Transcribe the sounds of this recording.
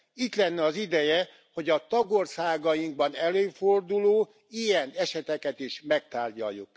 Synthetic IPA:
it̪lɛnːɛɒzid̪ɛjɛ | ho̞ɟɒt̪ɒɡorsaːɡɒjiŋɡ̚bɒnɛløːford̪uloː | ijɛnɛʃɛt̪ɛkɛt̪iʃmɛk̚t̪aːrɟɒ̰jːuk

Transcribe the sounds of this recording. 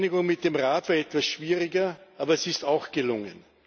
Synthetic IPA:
nɪɡʊŋmɪt̚d̥emʁaːtv̥aːɐɛtv̥asʃv̥iːʁɪɡɐʔaːbɐɛsɪstaʊxɡ̥əlʊŋə̰n

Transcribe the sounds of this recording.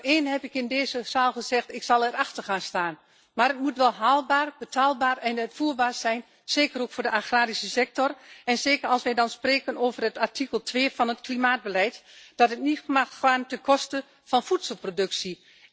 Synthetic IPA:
eːnhɛpɪkɪndeːzəz̥aːlˠxəz̥ɛxtɪksɑlˠɛɾaxtərxaːnstaːn | marət̚mutʋɛlˠɦaːlˠbaːrbətʰaːlˠbaːrɛnətfuːəbaːsɛjn | seːkəɾoːkfoːdəʔaxraːɾisəsɛk̚tɔrɛnseːkərɑlˠsʋɛjdɔnspreːkənoːvərətartʰikəlˠtʰʋeːfɔnətklimaːd̚bəlɛjtd̥ɔtətnitmaxxaːntɛnkɔstə | fɔnfutsəlˠprodɵksi

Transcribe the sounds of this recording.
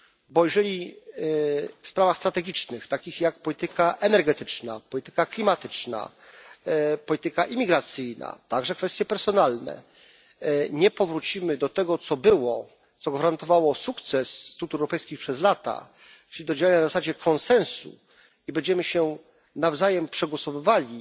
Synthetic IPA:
bɔiʐɛlʲi | fspɾavaxst̪ɾat̪ɛɡʲit͡ʂnɘxt̪akʲixjak̚pɔlʲit̪ɘkaʔɛnɛɾɡɛt̪ɘt͡ʂna̰pɔlʲit̪ɘ̥kaklʲimat̪ɘt͡ʂna̰ | pɔlʲit̪ɘkaʔimʲiɡɾat̪sɘjna̰t̪aɡʐɛkfɛst̪jɛpɛɾsɔnalnɛ̰ | ɲɛpɔvɾut͡ɕimɘd̪ɔt̪ɛɡɔt̪sɔbɘwɔ | t̪sɔɡvaɾant̪ɔvawɔsukt̪sɛsːt̪ut̪uɛwɾɔpɛjskʲixpʂɛzlat̪a̰ | t͡ʂɘlʲid̪ɔd͡ʑawaɲanazasad͡ʑɛkʰɔnsɛ̃nsṵ | ibɛɲd͡ʑɛmɘɕɛ | navzajɛmpʂɛɡwɔsɔvɘvalʲi

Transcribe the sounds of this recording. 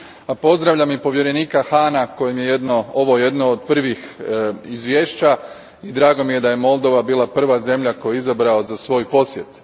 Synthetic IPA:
apo̞zd̪ɾaʋʎamipo̞ʋje̞ɾe̞niːkaxaːnako̞jimje̞je̞d̪nooʋo̞je̞d̪nood̪pr̩ʋixizʋjeːʃt͡ɕa | id̪ɾaːɡo̞mije̞d̪aje̞mo̞lˠd̪o̞ʋabiːlˠapr̩ʋaze̞mʎako̞jeizabɾaozasʋo̞jpo̞sje̞t̪

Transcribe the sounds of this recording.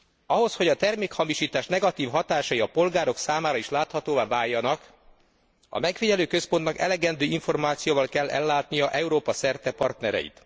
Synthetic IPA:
ɒɦo̞sho̞ɟɒt̪ɛrmeːkhɒmiʃiːt̪aːʃnɛɡɒt̪iːvɦɒt̪aːʃɒjiɒpo̞lɡaːɾo̞ksaːmaːɾɒiʃlaːt̪hɒt̪oːvaːvaːjːɒnɒk | ɒ̰mɛkfiɟɛløːkøspo̞nt̪nɒkɛ̰lɛɡɛnd̪øːiɱfo̞rmaːt̪sijoːvɒlkɛlːɛ̰lːaːt̪nijɒʔɛuɾoːpɒsɛrt̪ɛpɒrt̪nɛɾɛ̰jḭt̪

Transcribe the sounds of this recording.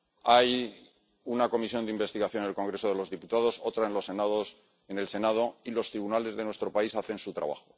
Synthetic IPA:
aj | unako̞misjo̞nd̪eimbe̞st̪iɣaθjo̞nelko̞ŋɡɾe̞so̞ð̞e̞lo̞zðiput̪aðo̞so̞t̪ɾae̞nlo̞sːe̞naðos | ene̞lse̞nað̞o̞ilo̞st̪ɾiβunale̞zðe̞nwe̞st̪ɾo̞paisaθe̞nsut̪ɾa̰β̞a̰xo

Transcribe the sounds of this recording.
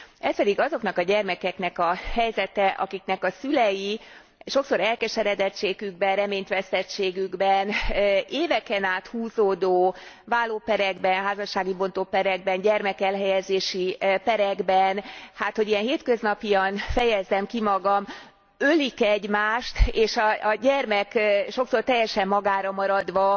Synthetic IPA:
ɛspɛd̪iɡɒzo̞knɒkɒɟɛrmɛkɛknɛkɒhɛjzɛt̪ɛʔɒ̰kiknɛkɒsylɛji | ʃo̞kso̞ɾɛlkɛʃɛɾɛd̪ɛt͡ʃeːɡyɡbɛnrɛmeːɲt̪ʋɛst̪ɛt͡ʃːeːɡyɡbɛneːvɛkɛnaːt̪huːzoːd̪oː | vaːlːoːpɛɾɛɡbɛnɦaːzɒʃːaːɡibo̞nt̪opɛɾɛɡ̚bɛnɟɛrmɛkɛlɦɛjɛzeːʃipɛɾɛɡbɛnhaːt̪ho̞ɟijɛnɦeːt̪kø̞znɒpijɒnfɛjɛzːɛmkimɒɡɒm | ølikɛɟmaːʃt̪eːʃɒɟɛrmɛkʃo̞ksort̪ɛjːɛʃɛmːɒɡaːɾɒmɒɾɒd̪ʋɒ

